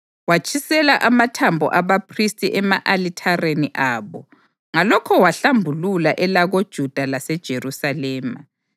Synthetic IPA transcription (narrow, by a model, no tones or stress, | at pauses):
wat͡ʃʰʼisɛlaʔamatʰambʱɔ̰ʔaβapʰristʼiʔɛmaʔalitʰareniʔaːβɔ | ŋalɔkʰɔwaɬambʱululaʔɛlaɣod̥ʒ̥ʱud̥ʱalasɛd̥ʒ̥ʱerusalɛːma